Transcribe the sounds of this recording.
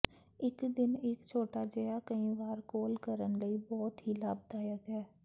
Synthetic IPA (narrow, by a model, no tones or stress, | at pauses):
ɪkd̪ɪneːkt͡ʃʰoːʈad͡ʒɐjakɐĩʋaːɾkoːlkəɾənləibɔːt̪ɦilaːb̚d̪aːjəɡɦɛː